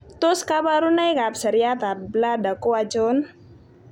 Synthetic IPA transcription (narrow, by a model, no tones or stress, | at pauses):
t̪ʊskabaɾunajkap̚səɾiat̪at̪̚bəladakuad͡ʒɔn